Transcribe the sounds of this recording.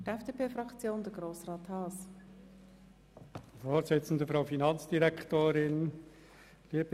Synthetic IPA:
ɛfd̥eːpʰeːfɾɑkt͡sjoːnd̪əɡɾoːsrɑːt̪hɑːs | foːsɪt͡sn̩dəfɾaʊfinɑnt͡sd̥iɾɛkʰtoːɾɪn | liːəb

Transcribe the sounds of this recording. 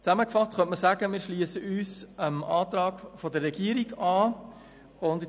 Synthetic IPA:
t͡saməkfɑstχœntməsaːɡəmɪːɾʃliːəsəʔyːsəmɑːt̪ɾɑːɡfodərːɛɡiːəɾiɡɑː | ʊnd

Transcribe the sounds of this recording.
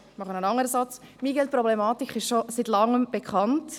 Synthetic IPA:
mɑχənənɑŋəɾəsɑt͡smiɡɛlt̚pɾɔblɛmɑːtikχɪʃʃositlɑŋːəmb̥ekʰχɑnt

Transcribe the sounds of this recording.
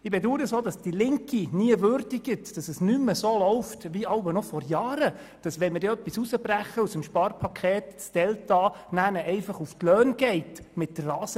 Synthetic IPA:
ɪbeduːɾəsoːdɑsd̥ilɪŋkiniəʋøɾdiɡɪtd̥ɑsəsnymːəsoːlɔʊftʋiɑwbənɔfɔɾjɑːɾə | d̥ɑsʋɛnməɾdɛœpːisusəbræχːəusəmʃpɑːɾpʰɑkʰχeːtsd̥ɛltɑnænəʔɛɪfɑχuftlœːnɡ̥ɛɪtmɪtːərːɑːsə

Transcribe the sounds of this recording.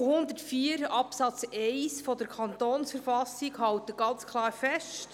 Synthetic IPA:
hʊnd̪ətfiːəɾɑpsɑt͡sɛɪsfɔdəɾkʰɑnt̪oːnsfəɾfɑsiɡhɑwt̪əɡ̥ɑnt͡skʰlˠɑːɾfɛʃt

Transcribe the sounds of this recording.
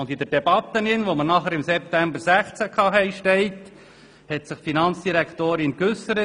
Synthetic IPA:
ʊnd̪ɪd̪əɾd̥ɛbɑt̪ːənɪnʋomənɑχəɾɪmsɛp̚t̪æmbəɾsæχt͡sækʰɑːɦɛɪʃtɛɪt | hɛt̪sɪχfinɑnt͡sd̥iɾækt̪oːɾɪnkɵsəɾə

